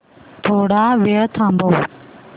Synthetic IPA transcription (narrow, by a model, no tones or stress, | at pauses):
t̪ʰoːɽaːʋeːɽt̪ʰãːmboː